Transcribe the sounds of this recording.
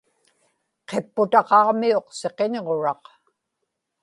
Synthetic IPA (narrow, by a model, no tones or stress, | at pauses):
qe̞pːʊt̪ɑqɑʁmio̞qseqe̞ɲʁoɻɑq